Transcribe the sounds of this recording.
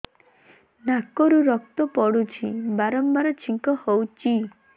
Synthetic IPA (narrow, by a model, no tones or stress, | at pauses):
nakɔɾuɾɔk̚t̪ɔpɔɽut͡ʃʰibaɾɔmbaɾɔt͡ʃʰiŋkɔhowt͡ʃi